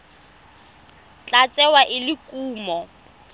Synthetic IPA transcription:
t͡ɬʼat͡sʼɛwaʔɪlɪkʼuːmɔ

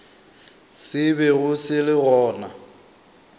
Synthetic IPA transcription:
sɪbɛɣʊsɪlɪɣɔːna

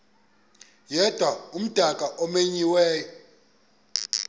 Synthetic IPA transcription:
jɛd̥ʱwaum̩d̥ʱakʼaʔɔmeɲiwɛːjɔ

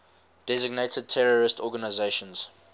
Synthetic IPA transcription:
d̥ɛzɪɡ̚netəd̚tʰɛɹɔɹɪstɔɡanaɪzeɪʃə̃nz̥

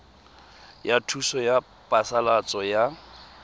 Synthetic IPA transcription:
jatʰusɔja | pʼasalat͡sʼɔja

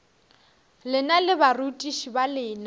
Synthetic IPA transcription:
lɪnalɪbarutʼiʃibalɪːna

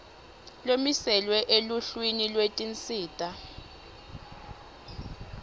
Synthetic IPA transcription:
lomisɛlwɛʔeluɬwinilwetʼint͡sʼiːtʼa

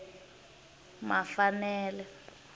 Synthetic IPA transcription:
mafanɛːlɛ

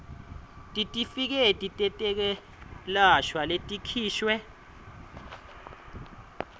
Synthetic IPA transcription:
tʼitʼifik̬ɛtʼitʼɛtʼɛk̬ɛ | laʃwaletʼikʰiːʃwɛ

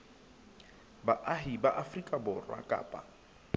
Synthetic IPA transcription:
baʔaɦibaʔafrikʼabʊrwa̰kʼa̰ːpʼa̰

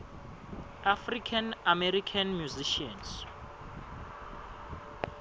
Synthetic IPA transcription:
afrikʰanamɛɾikʰanmjuziʃiɔns

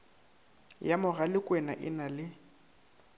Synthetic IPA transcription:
jamʊɣalɪkʼwɛna̰ʔɪnalɪ

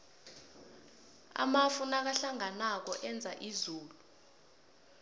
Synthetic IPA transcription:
a̰mafunak̬aɬaŋanak̬ɔʔɛnd͡zʱaʔizuːlu

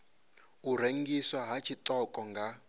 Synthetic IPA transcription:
uɾ̤eŋɡiswaɦat͡ʃʰit̪ɔkʼɔŋɡa

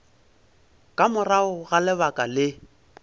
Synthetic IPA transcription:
kʼamʊraʊɣalɛbakʼalɪ

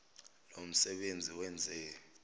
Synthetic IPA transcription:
lom̩sɛɓend͡zʱiwɛnd͡zʱɛ

